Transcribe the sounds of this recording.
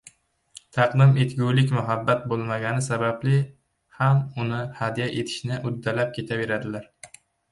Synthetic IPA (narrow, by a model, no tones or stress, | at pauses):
t̪ʰɑqd̪ɪmet̪ɡʲuwlɪkʲmʊɦabːat̪̚bolˠmaɡʲanɪsabablɪ | hamʊnɪhad̪ijaʔet̪ʰɪ̥ʃnɪʔʊd̪ːalap̚kʲʰe̞t̪ʰave̞ɾad̪ɪlaɾ